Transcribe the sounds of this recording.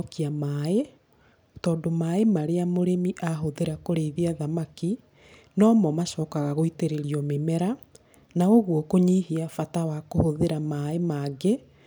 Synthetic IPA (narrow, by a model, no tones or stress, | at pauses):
kiamae | tɔːndomaemaɾeamoɾemiʔaɦoðeɾakoɾeiðiaðamaki | nɔːmɔmaʃɔːkaɣaɣoiteɾeɾiɔmemɛɾa | naoɣwɔkoɲihiafatawakohoðeɾamaemaːɡe